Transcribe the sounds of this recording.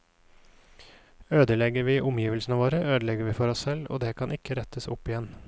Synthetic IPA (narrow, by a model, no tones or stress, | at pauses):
øːd̪əlɛɡəɾʋiːʔʊmjiːʋəlsn̩əʋoːɾəøːd̪əlɛɡəɾʋiːfɔɾɔssɛlo̰ːd̪eːkʰɑnʔɪkʰːəɾɛt̪ʰəsʊ̰pːɪjɛn